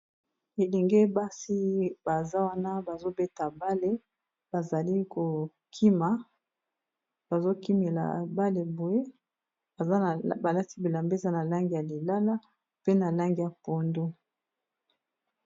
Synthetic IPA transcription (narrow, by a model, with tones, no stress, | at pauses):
e˨le˨ŋɡe˦ba˦si˦ba˨za˦wa˦na˦ba˨zo˦be˦ta˨ba˦le˦ | b̥a˨za˨li˦ko˨ | kʰi˦ma˨ | b̥a˨zo˦ki˦me˨la̰˨ba˦le˨bo˨je˦ | a˨˦˨ba˨la˦ti˦bi˨la˨mbe˦˨za˦na˨la˦ŋɡi˦˨a˨li˨la˦la˦ | pe˦na˨la˦ŋɡi˨ja˨po˨ndo˦